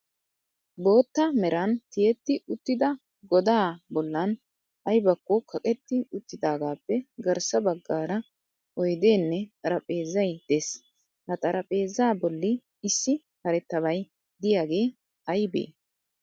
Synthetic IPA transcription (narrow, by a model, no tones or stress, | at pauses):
bo̞ːt̪ːɐmɛɾɐnt̪ɪjɛt̪ːɪʊt̪ːɪd̪ɐ | ɡɔd̪aːbɔlːɐn | ɐjbɐkːɔkʰɐkʼɛt̪ːɪʊt̪ːɪd̪aːɡaːpːɛɡɐɾsɐbɐɡːaːɾɐ | ʔɔjd̪e̞ːnːɛt̪ʼɐɾɐpʼe̞ːzɐjd̪̥e̞ːs | hɐt̪ʼɐɾʔɐpʼe̞ːzaːbɔlːɪ | ɪsːɪ | hɐɾɛt̪ːɐβɐj | d̪ɪjaːɡe̞ː | ɐjbḛː